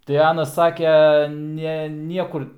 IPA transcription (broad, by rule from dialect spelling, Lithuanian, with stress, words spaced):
tɐɪ ˈɑːnɐs ˈsɑːkʲɛ ˈnʲɛ ˈnʲiɛkʊr